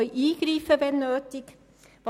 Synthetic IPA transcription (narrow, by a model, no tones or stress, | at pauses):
ʏʔiːɡ̥riːfəvɛnnøːtɪk | vɑ